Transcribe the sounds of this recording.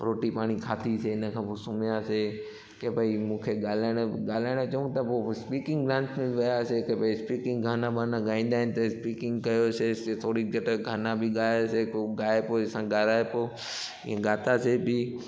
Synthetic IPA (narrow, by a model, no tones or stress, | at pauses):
ɾoːʈipaːɽ̃ikʰaːt̪ʰiseɪnəkʰãːposʊmjase | kebʱaimũːkʰeɡaːlaɪɽ̃ɡaːlaːɪɽ̃ot͡ʃɐũɡt̪ɐpospiːkɪ̃ŋɡɡlãːnsmẽbɪʋɐjasekebʱaispiːkɪ̃ŋɡɡʱaːnãbʱaːnãɡaːĩːn̆d̪aːɦɪ̃nɪ̆t̪ɐspiːkɪ̃ŋɡkɐjoseset̪ʰoːɽiːd͡ʒəʈəɡʱaːnãbʱɪɡaːjosekoɡaːepoːɪsãɡaːɾaːepoː | ɪ̰ɦẽɡaːt̪asebʱɪ